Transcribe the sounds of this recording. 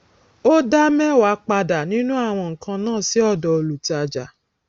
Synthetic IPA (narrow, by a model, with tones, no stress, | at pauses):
o˦da˦mɛ˦wa˨˦k͡pa˧da˨nĩ˦nũ˦a˦˨w̃ɔ̃˧ŋ̩˨kã˧nãː˦˨si˨˦ɔ˦˨dɔ˨o˧lu˨ta˧d͡ʒa̰˨